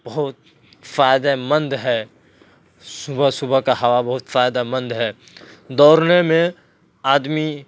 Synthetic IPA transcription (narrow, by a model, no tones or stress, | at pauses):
bəɦʊt̪̚ | faːjd̪emə̃nd̪ɦɛː | sʊbəsʊbəkaɦɐʋabɐɦʊt̪faːjd̪amə̃nd̪ɦɛː | d̪ɔːɾnemẽ | aːd̪mi